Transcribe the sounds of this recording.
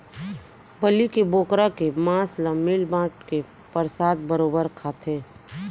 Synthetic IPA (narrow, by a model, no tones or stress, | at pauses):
bəlikeboːkɾakemãːslãmɪlmãːʈke | pəɾsaːd̪̚bəɾoːbəɾkʰaːt̪ʰẽː